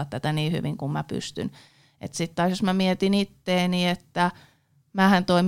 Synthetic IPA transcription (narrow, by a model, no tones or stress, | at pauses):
ɑt̪t̪æt̪æniːhy̰ʋiŋkummæpy̰st̪y̰n | ḛt̪sit̪ːɑːˑsjosmæmiet̪init̪ːeːniet̪ːæ | mæːhænt̪oim